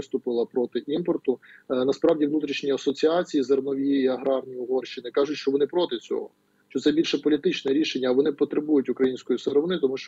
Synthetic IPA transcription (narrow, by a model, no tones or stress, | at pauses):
ɪst̪ʊpɪlˠɐpɾɔt̪ɪʔimpɔrt̪ʊnɐspɾɑwdʲiʋnut̪ɾʲiʃnʲiɐsɔt͡sʲiɑt͡sʲijizernɔʋʲiiɐɦɾɑrnʲiʊɦɔrʃt͡ʃɪnɪkɑʒʊtʲʃt͡ʃɔʋɔnɪpɾɔt̪ɪt͡sʲɔ̰ɦɔ̰ | ʃt͡ʃɔt̪sɛbʲilʲʃɛpɔlʲit̪ɪt͡ʃnɛɾʲiʃenʲːɐʋɔnɪpɔt̪ɾebujʊtʲʊkɾɐjinʲsʲkɔjuseɾɔʋnɪt̪ɔmuʃt͡ʃ